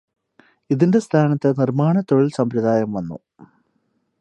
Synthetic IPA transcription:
iðinde̞st̪ʰaːnɐt̪ːɨnirmaːɳɐt̪ːoɭilsɐmpɾɐd̪aːjɐmʋɐnːṵ

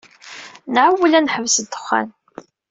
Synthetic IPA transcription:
nʕawːəlænħəvsəd̪ə̥χːa̰n

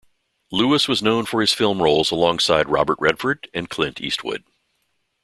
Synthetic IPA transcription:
lʉəswʌznõʊ̃nfə˞ɨz̥fɪlˠmɹoʊlˠzəlɔ̃ŋsaɪd̚ɹɑ̰bə˞ʔ̚ɹɛd̥fə˞dɨ̃nkʰl̥ɪ̃ntʰḭst̚wʊ̰d̥̚

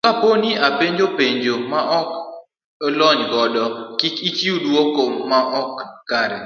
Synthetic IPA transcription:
kaponiapeɲd͡ʒopeɲd͡ʒomaʔɔk | lɔɲɡɔdɔkɪkit͡ʃiudwokomːaʔɔkːaɾɛ̰

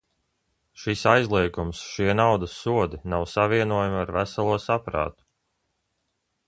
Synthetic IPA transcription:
ʃisajzlˠiɛɡumsʃiɛnawd̪asuɔd̪inawsavʲiɛnuɔjamaɾvæsalˠuɔsapɾa̰ːt̪u̥

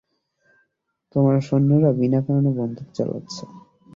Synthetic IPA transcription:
t̪omaɾʃonːoɾabinakaɾonobɔnd̪ʱukt͡ɕa̰la̰tːɕʰe

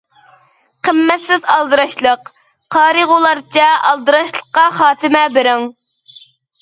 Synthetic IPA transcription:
qʰəmːɛt̪sɪzɑlˠd̪ɨɾɑʃlˠəq | qʰɑːɾɨʁolˠɑɾt͡ʃʰɑɑ̰lˠd̪ɨɾɑʃlˠə̥qːɑχɑːt̪ʰɨmɛbɪɾɪŋ

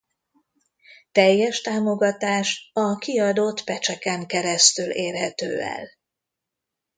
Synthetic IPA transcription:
t̪ɛjːɛʃt̪aːmo̞ɡɒt̪aːʃɒkiɒd̪ot̪pɛt͡ʃɛkɛŋkɛɾɛst̪yleːrɦɛt̪ø̰ːɛ̰l

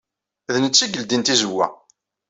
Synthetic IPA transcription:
ðənət͡sːiɡəld̪int̪izəwːæ̰

